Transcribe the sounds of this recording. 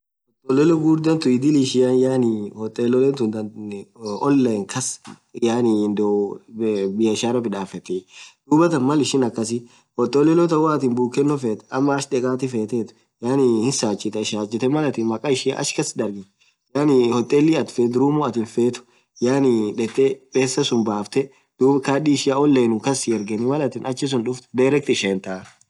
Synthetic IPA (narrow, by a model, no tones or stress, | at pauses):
hɔt̪ʼːɔlɛlɔɡuːɾd̪ɐnt̪ʊɪd̪ɪlɪʃɪjɐnjaːnɪhɔt̪ʼːelɔlɛnt̪ʊnd̪ɐn | ɔlːɐŋkʰɐs | jaːnɪnd̪ɔ | bɪjɐɪʃaːɾɐbɪᶑaːfɛt̪ːɛd̪̥uːbɐt̪ɐnmɐlɪʃɪnɐkːɐs̬ɪ | hɔt̪ʼːɔlɛlɔt̪ɐwat̪ɪnbuːkːɛnːɔfeːt̪ɐmːɐːʃᶑɛkʼaːt̪ɪfeːt̪ɛt̪ʊ̥ | jaːnɪhɪnsaːt͡ʃʼːɪt̪ɛɪʃaːt͡ʃʼːɪt̪ɛmɐlɐt̪ɪnmɐkʼaɪʃɪja̰ʔɐ̰ʃkɐsɪd̪ɐɾɡɪ | jaːnɪhɔt̪ʼːɛlːiɐt̪feːt̪ɾuːmuɐt̪ɪnfeːt̪ʊ̥ | jaːnɪᶑɛt̪ʼːɛpʼeːsːɐsʊnbaːft̪ɛ | d̪̥uːbkaːᶑiːɪʃɪjaɔlːeːnʊkɐsɪɛɾɡɛnɪmɐlɐt̪ɪnʔɐt͡ʃːɪs̬ʊnᶑʊft̪d̪ɐɾɛk̚t̪ɪʃeːnt̪aː